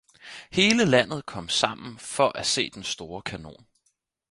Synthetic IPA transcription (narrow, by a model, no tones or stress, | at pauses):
he̝ːləlæn̰ð̩ˠkʰɒ̽m̰sɑ̈m̰n̩fɒ̽ʔæse̝̰ːd̥ensd̥o̝ːɐkʰæno̝̰ːn